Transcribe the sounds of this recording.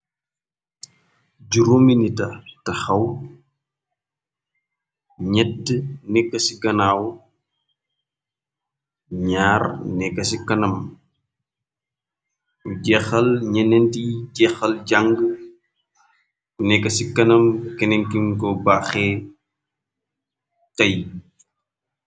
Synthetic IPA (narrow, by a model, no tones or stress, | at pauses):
ɟuɾominitɐtɐxɐw | ɲɛtːnɛkːɐsiɡɐnaːw | ɲaːrnɛkːɐsikɐnɐm | uɟɛxɐlɲɐnɛntiɟɛxɐlɟaŋɡə | unɛkːɐsikɐnɐmkɛnɛŋkiŋkɔbaxɛ | tɐj